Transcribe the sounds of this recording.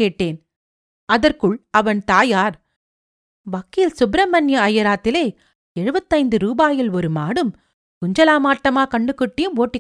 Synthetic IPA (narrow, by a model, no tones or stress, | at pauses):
eːʈːeːn | ɐðɐrkɯɭɐʋɐnt̪aːjaːɾ | ʋɐkːilsʊbɪɾɐmɐnjɐɐjɐɾaːt̪ːɪleː | ɛɻɯbɐt̪ːɐɪnd̪ɯɾuːbaːjɪlɔɾɯmaːɽɯm | kʊɲd͡ʒɐlaːmaːʈːɐmaːkɐɳɖɯkːɪʈːɪjɯmoːʈːɪ